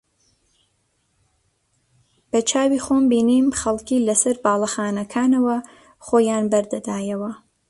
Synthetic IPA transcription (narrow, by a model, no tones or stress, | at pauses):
b̥ɐt͡ʃʰaːwiːxoːmbiːniːmxɐlˠkiːlɐsɐɾbaːlˠɐxaːnɐkʰaːnɐwɐ | χoːjaːnbɐɾd̪ɐd̪aːjɐwɐ